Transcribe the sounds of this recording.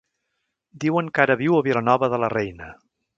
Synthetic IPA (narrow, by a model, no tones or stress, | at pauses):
d̪iwəŋkaɾəβiwəβilənɔβəðələrɛjnə